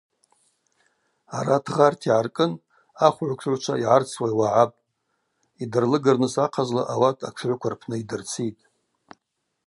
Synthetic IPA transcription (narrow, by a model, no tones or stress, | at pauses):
aɾatʰʁartʰiʕarkʼɨn | aχʷʕʷkʷʂʰʕʷt͡ʃʷʰaiʕart͡sʰwajwaʕapʼ | idɨrlɨɡarnɨsaqʰazlaʔawatʼʰa̰ʈ͡ʂʰʕʷkʷʰarpʰnɨidɨrt͡sʰitʼ